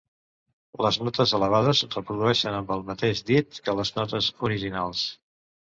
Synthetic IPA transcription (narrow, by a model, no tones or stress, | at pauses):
ləznɔt̪əzələβaðəzrəpɾuðuɛʃənəmbəlˠmət̪eʒd̪it̪kələznɔt̪əzuɾiʒinalˠs